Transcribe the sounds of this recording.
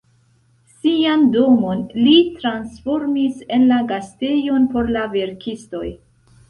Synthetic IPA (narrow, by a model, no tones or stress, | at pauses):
siando̞mo̞nlitɾansfo̞ɾmise̞nlaɡaste̞jo̞npo̞ɾlave̞ɾkʰisto̞j